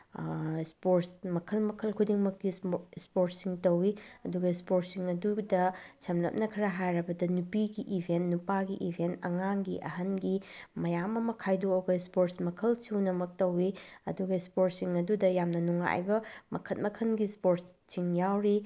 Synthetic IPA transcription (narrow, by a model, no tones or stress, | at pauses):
spoɾsmɐkʰɐlmɐkʰɐlkʰudiŋmɐkːispoɾtsiŋtɐwiɐduɡɐispoɾtsiŋɐdudɐsʰɐmlɐ̰p̚nɐkʰɾɐɦajɾɐbɐdɐnupiɡiʔibʱentnupaɡiʔibʱentɐ̰ŋaŋɡiʔɐ̰ɦɐnɡimɐjamɐmɐkʰajduɐwɡɐispoɾtsmɐkʰɐlsuwnɐmɐk̚tɐwiɐ̰duɡɐispoɾt̚siŋɐdudɐjamnɐnuŋa̰jbɐmɐkʰɐt̚mɐkʰɐnɡispoɾtssiŋjawɾi